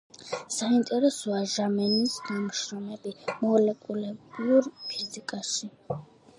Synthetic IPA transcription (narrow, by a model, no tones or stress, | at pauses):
saint̪ʼɛɾɛsɔaʒamɛnisnamʃɾɔmɛbimɔlɛkʼulɛbiuɾpʰizikʼaʃi